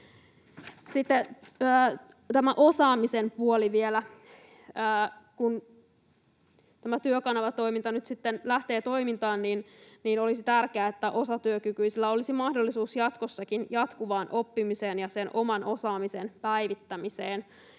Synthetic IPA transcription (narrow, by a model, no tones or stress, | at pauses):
sit̪ːeː | t̪æmæʔo̞sɑːmisempuoliʋielæ | əːkun | t̪æmæt̪yøkɑnɑʋɑt̪oimint̪ɑnyt̪sit̪ːenlæht̪e̞ːt̪o̞imint̪ɑːnniːnniːno̞lisit̪ærkeæet̪ːæʔo̞sɑt̪yøkykyisilːæo̞lisimɑhdolːisuːsjɑt̪kosːɑkinjɑt̪kuʋɑːnʔo̞pːimiseːnjɑsenʔo̞mɑnʔo̞sɑːmisenpæjʋit̪ːæmiseːn